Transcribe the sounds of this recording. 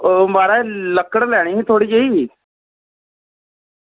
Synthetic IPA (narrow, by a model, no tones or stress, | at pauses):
omaːɾaləkəɽlɛːɽ̃iːɦĩt̪ʰoːɽiːd͡ʒeiː